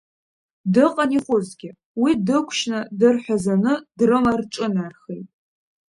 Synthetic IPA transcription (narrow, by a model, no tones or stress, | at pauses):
dɨqʼaniχʷʊzɡʲɪ | widɨkʷʰʃnadɨrħʷazanɨdrɨmarʈ͡ʂʼɨnarχejtʼ